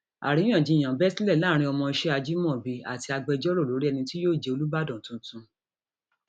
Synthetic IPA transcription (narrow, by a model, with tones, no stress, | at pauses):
a̰˨ɾĩ˨˦ã˦˨d͡ʒĩ˨˦˨j̃ã˨bɛ˦si˦lɛ˦˨la˦ɾ̃ĩ˧˦ɔ˧mɔ̃˧i˧ʃe˦a˧d͡ʒi˦mɔ̃˦˨bi˧a̰˨ti˧a˧ɡ͡bɛ˧d͡ʒɔ˦ɾo˦˨lo˨˦ɾi˦ɛ˧nĩ˧ti˦joː˦˨d͡ʒe˨o˧lu˦ba˦dɔ̃˨tũ˨tũ˧